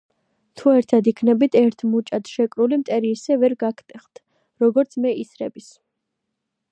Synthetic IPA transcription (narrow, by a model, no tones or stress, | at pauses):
t̪ʰuɛɾt̪ʰad̪ikʰnɛbit̪ʰɛɾt̪ʰmut͡ʃʼat̪ʃɛkʼɾulimt̪ʼɛɾiːsɛvɛɾɡakʰt̪ʼɛχt̪ʰ | ɾɔɡɔɾt̪sʰmɛisɾɛbis